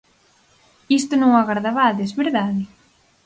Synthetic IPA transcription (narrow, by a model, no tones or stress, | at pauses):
ist̪onõŋaɣaɾðaβaðezβeɾðaðɪ